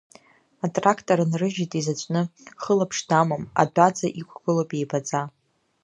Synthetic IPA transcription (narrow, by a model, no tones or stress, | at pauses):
atʼrakʰtʼoɾanrɨʒitʼizat͡ʃʷʼnɨχəlapʰʂdamoma̰dʷad͡zaʔikʷʰʼɡ̥ɨlopʼejbad͡za